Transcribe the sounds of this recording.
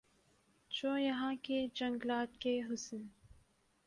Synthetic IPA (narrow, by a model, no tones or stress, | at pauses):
t͡ʃoːjɐɦãked͡ʒɐ̃ŋɡlaːt̪keɦʊsən